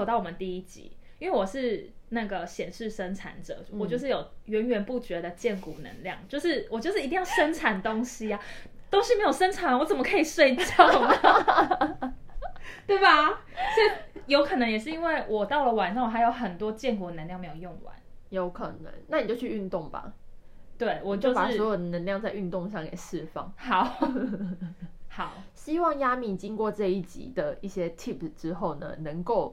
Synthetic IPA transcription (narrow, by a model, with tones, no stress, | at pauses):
o˨ʊt̪ɑ˥˩ʊwɔ˨˩mə˨˦nt̪i˥˧i˦t͡ɕḭ˨˦ | i˥nwe˥˩wɔ˨˩ʂɻ̩˥˧na˥˩ɡə˩ɕjɛ˨˩nʂɻ̩˥˩ʂə˦nʈ͡ʂʰa̰˧˥nʈ͡ʂɤ̰˨˩wɔ˨˩t͡ɕjo˥˧ʊʂɻ̩˥˩jo˨˩ʊɥɛ˧˦˥nɥɛ˧npu˥˩t͡ɕɥɛ˧˥d̪ə˨t͡ɕjɛ˥˨˩nkṵ˨˩nə̰˧˦ŋljɑ̰˥˩ŋt͡ɕjo˥˧ʊʂɻ̩˥˩wɔ˨˩t͡ɕjo˥˧ʊʂɻ̩˥˨˧t̪i˥˧jɑ˥˩ʊʂə˦˥nʈ͡ʂʰa˨˥nt̪o˦ŋɕi˥a˨t̪o˥ʊʂɻ̩˥˩me˧˥ɪjo˨˩ʂə˥nʈ͡ʂʰa˨˩na˨wɔ˧˦t͡sə˨˩mə˦kʰə˧˥i˨˩ʂwe˥˧ɪi˨t͡ɕɑ˥˩ʊʊnə˩ | t̪we˥˩ɪba˩ | swɔ˧˥i˨˩jo˧˥ʊkʰɤ˨˩nə˧ŋjɛ˨˩ʂɻ̩˥˩i˥nwe˥˩ɪwʔɔ˨˩t̪ɑ˥˩ʊlə˨wa˨˩nʂɑ˥˩ŋwɔ˨˩ha˧ɪjo˧˩ʊxə˨˩nt̪wɔ˦t͡ɕjɛ˥˧nkɔ˨˩d̪ə˨˩ə˧nljŋme˧˥ɪjo˨˩jo˥˨˩ŋwa̰˨˦njo˧˥ʊkʰə̰˨˩nə̰˧˦ŋna˥˩ni˨˩t͡ɕjo˥˧ʊt͡ɕʰy˥˩ʔy˥˧nt̪o˥˩ŋba̰˨˩t̪we˥˩ɪwɔ˨˩t͡ɕjo˥˧pa˨˩swɔ˧˥jo˨˩d̪ə˩nə˧˦nljɑ˥˧ŋt͡sa˥˧ɪʔy˥˧nt̪o˥˧ŋʂɑ˥˩ŋkḛ˨˩ɪʂɻ̩˥˧fɑ̰˥˩ŋhɑ˨˦ʊ | hɑ˨˩˦ʊɕi˦wɑ˥˨˩ŋja˥mi˨˩t͡ɕi˦ŋkwɔ˥˨ʈ͡ʂɤ˥˧i˥˩t͡ɕḭ˨˦d̪ə˨i˥˩ɕjɛ˦t̪ʰi˥˩pʈ͡ʂɻ̩˦xo˥˩ʊnə̰˩nə˧˦ŋko˥˨ʊ